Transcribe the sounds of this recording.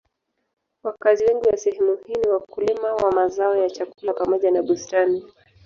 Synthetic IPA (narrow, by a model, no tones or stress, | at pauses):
wakaziwɛŋɡuwasɛhɛmuhiniwakulimawamazaɔjat͡ʃakulapamɔʄanaɓustani